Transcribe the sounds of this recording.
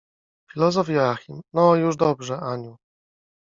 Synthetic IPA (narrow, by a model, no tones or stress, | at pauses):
fʲilɔzɔfjɛaxʲimnɔjuʐd̪ɔbʐɛʔaɲu